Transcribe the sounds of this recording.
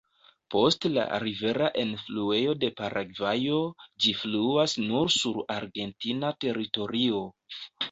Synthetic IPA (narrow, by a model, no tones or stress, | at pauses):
po̞stla̰ɾive̞ɾaʔenflue̞jo̞de̞paɾʔaɡvajo̞d͡ʒifluasnuɾsuɾaɾɡe̞ntinate̞ɾito̞ɾio̞